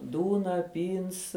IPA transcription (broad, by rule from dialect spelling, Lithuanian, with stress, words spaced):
ˈduːnɐ ˈpʲiːns